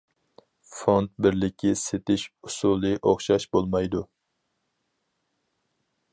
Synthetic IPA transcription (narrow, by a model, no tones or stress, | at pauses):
font̪̚bɪɾlɪkʲʰːiset̪ɪʃusulˠɨʔoχʃɑʃbolˠmɑjd̪u